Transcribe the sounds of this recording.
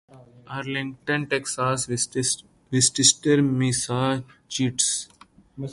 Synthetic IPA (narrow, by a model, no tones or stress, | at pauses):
aɾlɪ̃ŋkʈə̃nʈeksaːs | ʋɪsʈɪsʈəɾmisaːt͡ʃiːʈs